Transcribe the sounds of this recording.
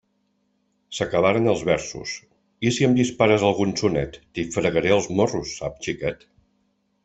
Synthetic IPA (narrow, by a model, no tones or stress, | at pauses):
səkəβ̞aɾənəlˠzβɛɾsṵs | isiəmd̪ispaɾəzəlˠɣunsunɛt̪ːifɾəɣəɾɛəlˠzmorusːapt͡ʃikɛt̪